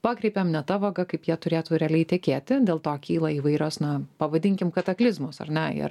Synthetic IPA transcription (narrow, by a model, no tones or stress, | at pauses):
pɑːkɾʲɛɪpʲeːmnʲɛt̪ɐʋɐɡɐkɐɪpjiɛt̪ʊɾʲeːt̪uːɾʲɛɐlʲɛɪt̪ʲɛkʲeːt̪ʲɪd̪ʲeːlˠt̪oːkʲiːlˠɐiːʋɐɪɾʲoːsnɐpɐʋɐd̪ʲɪŋʲkʲɪmkɐt̪ɐklʲɪzmoːsɐ̰rʲnʲɛɪ̰r